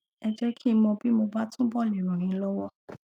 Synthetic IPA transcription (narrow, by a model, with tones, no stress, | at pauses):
ɛ˧d͡ʒɛ˦kʰi˦˨˦mɔ̃˧bi˦mo˧ba˦tũ˦bɔ˦˨li˨ɾ̃ũ˨ɾ̃ĩ˨˧˦lɔ˦wɔ˦˨